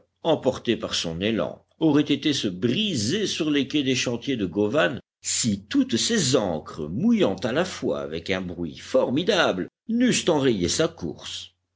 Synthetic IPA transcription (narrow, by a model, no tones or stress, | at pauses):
ɑ̃pɔʁt̪epaʁsɔ̰̃nelɑ̰̃ | ɔʁɛt̪et̪esəbʁizesyʁlekʲɛd̪eʃɑ̃t̪jed̪əɡɔvan | sit̪ut̪sezɑ̃kχəmujɑ̃t̪alafwa̰ːvɛkɛ̃bʁɥḭfɔʁmid̪abl | nyst̪ɑ̃ʁejḛsakṵʁs